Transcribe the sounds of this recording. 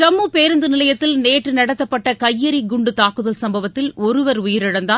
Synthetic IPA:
d͡ʒɐmːupeːɾɯnd̪ɯnɪlɐjɐt̪ːɪlneːʈrɯnɐɽɐt̪ːɐpːɐʈːɐkɐjːɐɾiɡʊɳɖɯt̪aːkːɯðɐlsɐmbɐʋɐt̪ːɪlɔɾɯʋɐɾʊjɪɾɪɽɐnd̪aː

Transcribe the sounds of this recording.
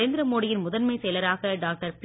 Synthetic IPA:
eːnd̪ɪɾɐmoːɽɪjɪnmʊðɐnmɐɪsɛjlɐɾaːɣɐɖaːk̚ʈɐɾp

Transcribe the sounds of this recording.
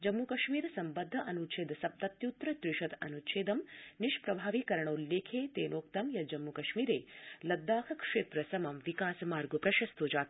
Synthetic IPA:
d͡ʒɐmːukɐʃmiːɾsɐmbɐd̪ʱːɐʔɐnutʃʰeːd̪ɐsɐp̚t̪ɐt̪jut̪ɾɐt̪ɾiʃɐt̪ɐ̰nutt͡ʃʰeːd̪ɐmniʃpɾɐbʱaːʋiːkɐɾɐɳɐulːeːkʰeːt̪eːnoːk̚t̪ɐmjɐd͡ʒɐmːukɐʃmiːɾḛːlɐd̪ːaːhʰɐkʂeːt̪ɾɐsɐmɐmʋikaːsmaːɾɡopɾɐʃɐst̪oːd͡ʒaːt̪

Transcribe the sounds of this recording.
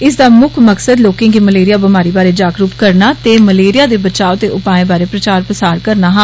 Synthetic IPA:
ɪsd̪aːmʊkʰməksəd̪loːkẽːŋɡiːməleːɾɪjaːbəmaːɾiːbaːɾeːd͡ʒaːɡɾuːpkəɾnaːt̪eːməleːɾɪjaːd̪eːbət͡ʃaːot̪eːʔʊpaːẽːbaːɾeːpɾət͡ʃaːɾpəsaːɾkəɾnaːɦãː

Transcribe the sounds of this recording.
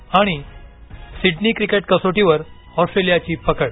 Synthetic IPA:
aɽ̃i | siɖniːkɾikeʈ̚kəsoʈiʋəɾ | ɔsʈɾelijat͡ɕiːpəkəɽ

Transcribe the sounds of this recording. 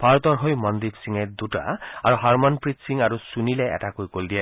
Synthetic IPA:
paɹt̪ɔɹɦojmɔnd̪ipsiŋed̪uʈa̰aɹuɦaɹmɔnpɹit̪siŋaɾusunileɛ̰takojkold̪iɛ

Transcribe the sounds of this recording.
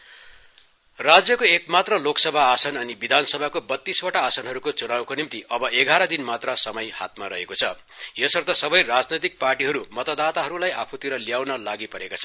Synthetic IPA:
rad͡zjʌkoekmat̪rʌloksʌbʱaːsʌnʌnibid̪ʱansʌbʱakobʌt̪ːiswʌʈaːsʌnɦʌɾukot͡sunawkonimt̪iʔʌbʌeɡaɾʌd̪inmat̪rʌsʌmʌjha̰t̪̚maɾʌɦekot͡sʰʌ | jesʌrt̪ʌsʌbʌjrad͡znʌjt̪ik̚parʈiɦʌɾumʌt̪ʌd̪at̪aɦʌɾulajʔapʰut̪iɾʌljawnʌlaɡipʌɾekat͡sʰʌ

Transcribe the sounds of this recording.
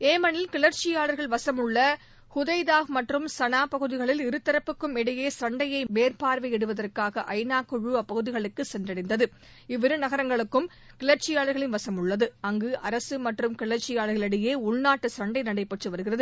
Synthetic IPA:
eːmɐnɪlkɪɭɐɾt͡ʃɪjaːɭɐɾɣɐɭʋɐsɐmɯɭːɐ | hʊðɐɪðaːɣmɐʈrɯmsɐnaːpɐɣɯðɪɣɐɭɪlɪɾɯt̪ːɪɾɐpːɯkːɯmɛɽɐjeːsɐɳɖɐjɐɪmeːrpaːɾʋɐɪɛɽɯʋɐðɐrkaːɣɐʔɐɪnaːkːɯɻuɐpːɐɣɯðɪɣɐɭɯkːɯsɛndrɐɽɪnd̪ɐðɯ | ɪʋɪɾɯnɐɣɐɾɐŋɡɐɭɯkːɯm | kɪɭɐɾt͡ʃɪjaːɭɐɾɣɐɭɪnʋɐsɐmɯɭːɐðɯɐŋɡɯʔɐɾɐsɯmɐʈrɯmkɪɭɐɾt͡ʃːɪjaːɭɐɾɣɐlɐɽɪjeːʊɭnaːʈːɯsɐɳɖɐɪnɐɽɐɪpːɐʈrɯʋɐɾɯɣɪrɐðɯ

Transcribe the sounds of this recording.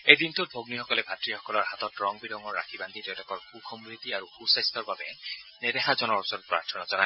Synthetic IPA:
ejdintut̚bʱoɡnixɔkɔlɛbʱatɹixɔkɔlɔɹɦatɔtɹɔŋbidɔŋɔɹːa̰kʰiband̪itɛwlɔkɔɹxukʰɔmɹit̪iaɹuxusajstɔɹbabɛnedeɦazɔnɔɹɔsɔnɔt̚pɹa̰ɹtʰɔnazɔna

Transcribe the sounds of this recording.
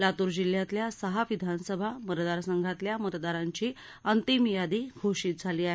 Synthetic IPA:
lat̪uːɾd͡ʑiljat̪ljasəɦaʋid̪ʱansəbʱamət̪d̪aɾsəŋɡʱat̪ljamət̪d̪aɾaɲt͡ɕiː | ənt̪imjad̪iːɡʱoɕiːt̪̚d͡zʱaliːaɦe

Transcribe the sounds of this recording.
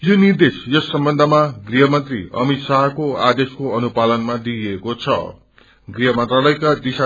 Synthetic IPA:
jonird̪esjʌsːʌmbʌnd̪ʱʌmaɡriɦʌmʌnt̪rḭʌ̰mit̪saɦʌkoad̪eskoʌnupalʌnmad̪iekot͡sʰʌ̰ | ɡriɦʌmʌnt̪ralʌjkad̪isa

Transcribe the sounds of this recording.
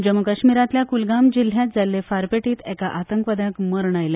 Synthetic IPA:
d͡ʑəmukəɕmiɾat̪ljakulɡamd͡ʑil̤jat̪̚d͡zalːefaɾpeʈiːt̪ɛkaʔat̪əŋkʋəd̪akməɾɳ̃ajle

